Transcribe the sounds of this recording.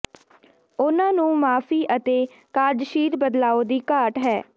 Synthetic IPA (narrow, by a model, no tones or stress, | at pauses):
ʊnãːnũːmaːpʰiːʔət̪eː | kaːɾd͡ʒʃiːɾbəd̪laːoːd̪iːkaːʈɦɛː